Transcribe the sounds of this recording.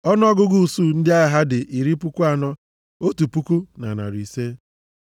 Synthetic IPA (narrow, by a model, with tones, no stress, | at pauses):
ɔ˦n˦ɔ˦ɡʊ˦ɡu˦˨su˦˨n̩˦dɪ˦a˦ɪ˨ɦa˦dɪ˨ʔi˨ɾi˦pu˦ku˦a˨nɔ˦ | o˦tu˨pu˦ku˦na̰˨na̰˨ɾi˨se˦